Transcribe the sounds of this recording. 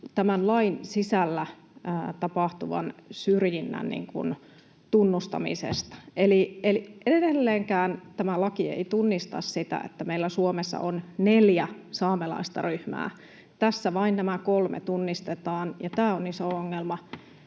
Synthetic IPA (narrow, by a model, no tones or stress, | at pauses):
t̪æmænlɑinsisælːæ | t̪ɑpɑht̪uʋɑ̰nsyrjinːæ̰nnḭŋkṵn | t̪unːust̪ɑ̰mḭsḛst̪ɑ̥elieliʔedelːeːŋkæːnt̪æmælɑkiḛit̪unːist̪ɑ̰ssit̪æ̰ḛt̪ːæmeilːæsuomesːɑ̰ʔonneljæsɑːmelɑ̰ist̪ɑ̰ryhmæ̰ː | t̪æsːæʋɑinnæmækolmḛt̪unːist̪et̪ɑːnjɑt̪æːonisooŋːelmɑ